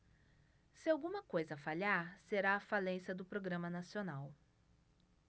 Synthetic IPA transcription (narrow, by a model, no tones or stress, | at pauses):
sɪawɡũmɐkojzɐfaʎaɾseɾaːfalẽsɐd̪ʊpɾoɡɾɐ̃mɐnasionaw